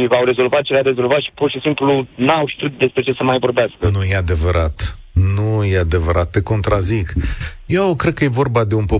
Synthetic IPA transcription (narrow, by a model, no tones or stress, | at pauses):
awɾe̞zo̞lvat̪̚t͡ʃeɾaɾe̞zo̞lvat̪ʃi̥purʃisimplunawʃi̥t̪ɾit̪̚d̪e̞spɾe̞t͡ʃe̞səmajvo̞rbeaskənujead̪e̞vəɾʔat̪ | nujead̪e̞vəɾʔat̪ːe̞ko̞nt̪ɾʔazikje̞wkɾe̞d̪̚kəje̞vo̞rbad̪e̞unpo